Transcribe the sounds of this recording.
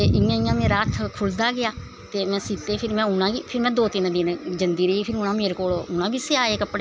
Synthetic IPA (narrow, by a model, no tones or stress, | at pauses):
t̪eːʔɪjãːɪjãːmẽːɾaːt̪ʰkʰʊld̪aːɡɪaː | t̪eːmɛ̃ːsiːt̪eːpʰɪɾmɛ̃ːʊnãːɡiːpʰɪɾmɛ̃ːd̪oːt̪ɪnd̪ɪnd͡ʒənd̪iːɾəiːpʰɪɾʊnãːmeːɾekoːloːʊnãːbiːsɪaːeːkəpɽe